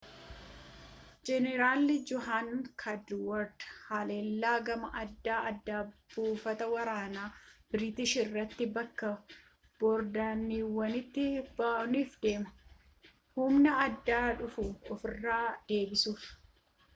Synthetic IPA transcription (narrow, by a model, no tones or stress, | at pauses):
d͡ʒɛnɛɾaːlnɪd͡ʒɔhaːnkʰɐd̪wɔɾd̪haːle̞ːlːaːɡɐmɐʔɐd̪ːaːɐd̪ːaːb̥uːfɐt̪ɐwɐɾaːnaːb̥ɪɾɪt̪ɪʃɪrːɐt̪ːɪbɐkːɐ | b̥ɔɾd̪aːnːiːwːɐnɪt̪ːɪbaːɔniːfd̪e̞ːmɐ | hʊmnɐɐd̪ːaːᶑʊfʊɔfɪrːaːd̪̥e̞ːbɪsuːf